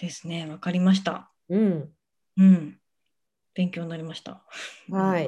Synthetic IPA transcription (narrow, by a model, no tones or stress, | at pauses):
d̪̥e̞sɨ̥ne̞βakaɾʲimaɕ̬i̥t̪a̰ | ɯ̟̃ɴ | ɯ̟̃ɴ | b̥ẽ̞ŋkʲo̞ːnnaɾʲimaɕi̥t̪a̰hai